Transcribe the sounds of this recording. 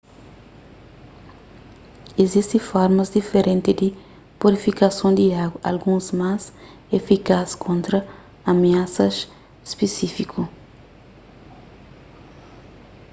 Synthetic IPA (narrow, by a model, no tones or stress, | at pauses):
ezist̪ĩfɔɾmɐzd̪ifeɾẽnt̪ɪd̪i | puɾifikasõnd̪iaɡwɐʔalɡũzmaz | efikaskʰõnt̪ɾɐ | ameasɐʃ | spesifikʰu